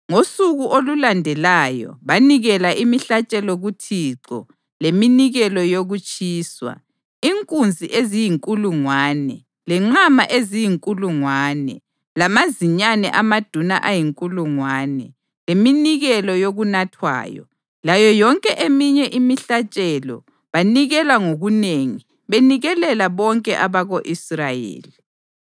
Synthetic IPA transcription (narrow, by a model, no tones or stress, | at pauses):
ŋosuɣuʔolulandʱɛlajɔ̰βaniɣɛlaʔimiɬat͡ʃʼɛlɔɣutʰiːǁɔ̰ | leminiɣɛlɔjoɣut͡ʃʼiːswa̰ | iŋkʼund͡zʱiʔezijiŋkʼuluŋwaːnɛ̰ | lɛŋ͡ǁamaʔezijiŋkʼuluŋwaːnɛ̰ | lamaziɲanɛ̰ʔamad̥ʱuna̰ʔajiŋkʼuluŋwaːnɛ | leminiɣɛlɔjoɣunatʰwa̰ːjɔ̰ | lajɔjɔŋkʼɛʔemiɲɛʔimiɬat͡ʃʼɛlɔ̰ | βaniɣɛlaŋoɣuneŋi | βeniɣɛlɛlaβɔŋkʼɛ̰ʔaβaɣoʔisrajḛːli